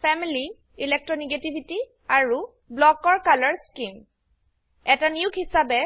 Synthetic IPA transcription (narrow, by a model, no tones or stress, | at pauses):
pʰɛmili | ilɛk̚tɹɔniɡetibʱiti | aɹu | blɔkɔɹkalɔɹskim | ɛtaniukʰɦisabɛ